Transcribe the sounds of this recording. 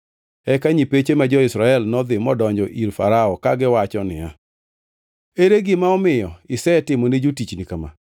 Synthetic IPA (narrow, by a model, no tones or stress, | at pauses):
ɛkaɲipet͡ʃemad͡ʒɔɪsɾaɛlnɔd̪ɪmɔdɔɲd͡ʒɔʔiɾfa̰ɾaɔkaɡɪwat͡ʃɔnɪ̰a̰ | eɾeɡɪmaɔmɪjɔɪsɛɛtɪmɔned͡ʒotit͡ʃnikama̰